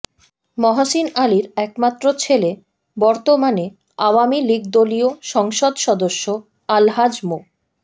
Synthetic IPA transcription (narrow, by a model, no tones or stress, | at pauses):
mɔɦaʃinaliɾɛkmat̪ːɾot͡ɕʰele | bɔɾt̪omane | awamiliɡd̪olioʃɔŋʃod̪ʃɔd̪oʃːo | alɦad͡ʑmo